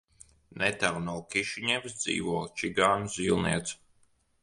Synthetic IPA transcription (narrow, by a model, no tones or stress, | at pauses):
nɛt̪aɾnɔːkʲiʃiɲɛvsd̪zḭːvuɔːt͡ʃiɡaːnuzilˠnḭɛt̪s